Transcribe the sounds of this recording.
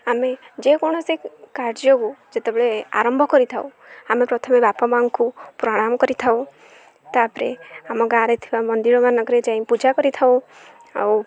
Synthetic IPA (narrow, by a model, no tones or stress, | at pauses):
amed͡ʒekɔɽ̃ɔsekaɾd͡ʒjɔɡud͡ʒet̪ebeɭea̰ɾɔmbʱɔkɔɾit̪ʰaṵ̃ | amepɾɔt̪ʰɔmebapɔmaŋkupɾɔɽ̃amɔkɔɾit̪ʰaw̃ | t̪apɾḛamɔɡaɾet̪ʰibamɔnd̪iɾɔmanɔɡɔɾed͡ʒãĩpud͡ʒakɔɾit̪ʰaw̃ | a̰w